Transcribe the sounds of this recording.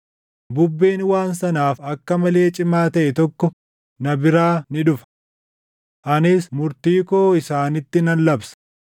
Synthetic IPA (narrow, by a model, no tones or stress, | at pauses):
bʊbːeːnwaːnsɐnaːfɐkːɐmɐle̞ːt͡ʃʼɪmaːt̪ɐʔɛt̪ɔkːɔ | nɐbɪɾaːnɪᶑʊfɐ̥ | ʔɐnɪsmʊɾt̪iːkoːɪsaːnɪt̪ːɪnɐnlɐbsɐ̥